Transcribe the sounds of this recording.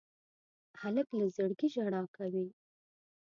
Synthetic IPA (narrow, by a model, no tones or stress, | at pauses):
haləklazəɽɡiʒaɽɑkawi